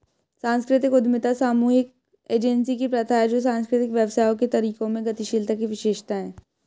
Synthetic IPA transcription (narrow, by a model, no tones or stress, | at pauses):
sãːnskɾɪt̪ɪkʊd̪mɪt̪asaːmuːɦɪk̚ | eːd͡ʒɛnsikipɾɐt̪ʰaɦɛd͡ʒoːs̬ãːnskɾɪt̪ɪkʋjɐʋsaːjõket̪ɐɾiːkõmẽɡɐt̪iʃiːlt̪akiʋɪʃeːʃt̪aɦɛ̃ː